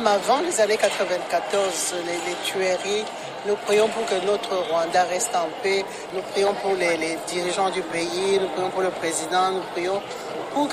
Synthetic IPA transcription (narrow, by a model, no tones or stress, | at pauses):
mavɑ̃lezanekat̪χəvɛ̃kat̪ɔʁzlelet̪ɥeʁi | nupχijɔ̃puʁkənot̪χəʁwãd̪aʁɛst̪ɑ̃pe | nupχijɔ̃puʁleled̪iʁiʒɑ̃d̪ypeinupχijɔ̃puʁləpχezid̪ɑ̃nupχijɔ̃ | puk